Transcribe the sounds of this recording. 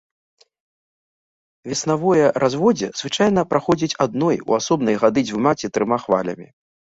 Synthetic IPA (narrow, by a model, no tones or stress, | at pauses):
vʲɛsnavɔjɛɾazvɔd͡zʲɛzvɨt͡ʂajn̪ɐpɾʔaxɔd͡zʲit͡sʲad̪̚nɔjṵasɔbnɐjɣad̪ɨd͡zʲvɨmat͡sʲit̪ɾɨmaxva̰lʲɐ̰mʲi